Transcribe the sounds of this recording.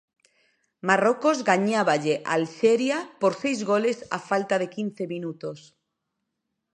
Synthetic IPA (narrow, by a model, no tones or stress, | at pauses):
maroko̞zɣaɲaβaʎeʔalseɾjapoɾse̞jzɣo̞le̞sa̰falt̪að̞e̞kin̟θe̞minut̪os